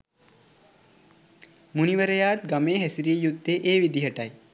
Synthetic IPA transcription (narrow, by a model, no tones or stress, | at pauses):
muniʋəɾejaːt̪ɡɐmeːɦɛsiɾiːjud̪ːeʔeːʋid̪iɦɐʈɐj